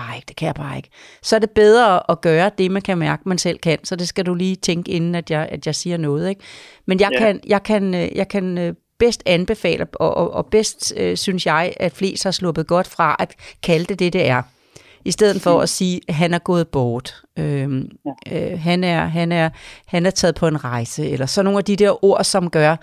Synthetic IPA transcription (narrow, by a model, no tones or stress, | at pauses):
eɡ̥d̥e̝̥kʰæjɑ̈ɪbɑ̈ːe̝ɡ̥ | sɒ̽æɐd̥e̝b̥eð̞ˠʁɐʔɒɡ̥ɶːɐd̥e̝mænkʰæmæɐɡ̥əmænsel̰kʰæn̰sɒ̽d̥e̝sɡ̥æduliːt͡sʰeŋɡ̥əe̝nn̩æd̥jɑ̈ɪæd̥jɑ̈ɪsiːɐnɔ̽ːð̞̩ˠeɡ̥ | menjɑ̈ɪkʰænjʔɑ̈ɪkʰænøjʔɑ̈ɪkʰænø | b̥esd̥ænb̥e̝fɛ̰ːləɒʔɒʔɒb̥esd̥øsynsjɑ̈ɪæd̥fle̝̰ːsd̥hɑ̈slɔ̽b̥ð̩ˠɡ̥ɒ̽d̥fʁɑ̈ʔæ̥kʰæld̥ed̥e̝d̥e̝æɐ | isd̥eð̰ˠð̩ˠfɒ̽æsiːɦænæɐɡ̥ɔ̽ːð̞̩ˠb̥ɒːd̥ | ø | ɦænæɐɦænæɐhænæɐt͡sʰɛːð̩ˠpʰɒ̽e̝nʁɑ̈ɪsəelɐsɒno̝ːnæd̥id̥eɐ̰ʔo̝ɐ̰sɒ̽mɡ̥ɶɐ